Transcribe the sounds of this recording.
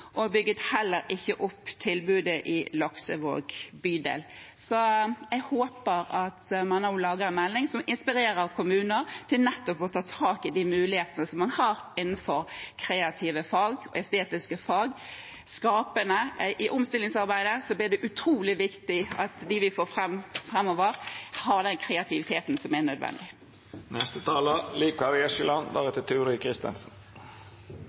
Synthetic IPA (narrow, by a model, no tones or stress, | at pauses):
ʔɔbʏɡːət̪hɛlːəɾɪçːəʔʊpːt̪ʰɪlbʉːd̪əʔɪlɑksəʋo̰ːɡbyːd̪ḛːl | sɔɛɡhoːpəɾɑt̪mɑnɔʊlɑːɡəɾɛnmɛlːɪŋsɔmɪnspɪɾeːɾəɾkʰʊmʉːnəɾt̪ʰɪlnɛt̪ːɔpɔt̪ʰɑːt̪ʰɑːkɪd̪iːmʉːlɪheːt̪ənəsɔmːɑnhɑɾɪnːn̩fɔɾkʰɾeːɑt̪ʰiːʋəfɑːɡɔ̰ɛst̪eːt̪ɪskəfɑːɡ | skɑːpənəʔʔɪʔʊmst̪ɪlɪŋsɑʁbæɪd̪əsɔblɪʁd̪ɛʔʉt̪ʰɾuːlɪʋɪkt̪ɪɑt̪d̪ɪʋɪfoːfʁɛmfʁɛmːɔːʋəʁhɑʁd̪ɛnkʰɾɛɑt̪ʰɪʋɪt̪ʰeːt̪n̩sɔmɛnœd̪ʋɛ̰nd̪ɪ | nɛst̪ət̪ʰɑːləliːkɑɾɪɛʃəlɑnd̪ɑ̰ʁɛt̪ət̪ʰʉːɾɪkʰɾɪst̪ɛ̰nsn̩